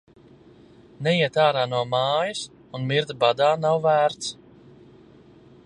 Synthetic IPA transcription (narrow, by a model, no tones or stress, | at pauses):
nɛjiɛt̪aːɾaːnuɔmaːjus | unmiɾd̪bad̪aːnawvæːɾt̪s